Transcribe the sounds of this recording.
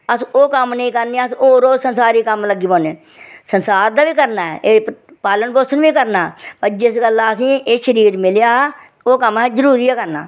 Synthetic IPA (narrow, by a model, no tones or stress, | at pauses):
əsoːkəmnəĩːkəɾneːəsoːɾoːsənsaːɾiːkəmləɡiːboːneː | sənsaːɾd̪aːʋiːkəɾnaːɛ̰ʔeː | paːlənboːsənʋiːkəɾnaːpəɾd͡ʒɪsɡəlːaːəs̬ĩːeʃəɾiːɾmɪljaː | oːkəmɛːzəɾuːɾiːɛːkəɾna̰ː